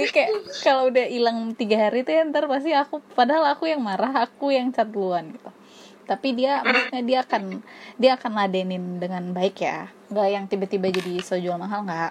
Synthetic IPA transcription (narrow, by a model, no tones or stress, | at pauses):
kajakalaudahilaŋt̪iɡaɦaɾit̪ujant̪arpas̬t̪iakupadaɦalakujaŋmaɾaɦakujaŋt͡ʃat̪luanɡit̪u | t̪apidiamərsu̥t̪̚ɲadiaːkandiaːkanladɛnɪndəŋanbaɪkja̰ | ŋɡajaŋt̪ibat̪ibad͡ʒadisod͡ʒualmaɦalŋɡaʔ